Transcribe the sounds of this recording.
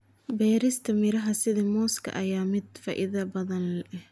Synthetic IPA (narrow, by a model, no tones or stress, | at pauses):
bɛːɾɪst̪ʰɐmɪɾɐɦɐsɪðimɔːskʰɐ̰ʔɐjaːmɪd̪fɐʔɪðaːbɐðɐnlɛʔɪh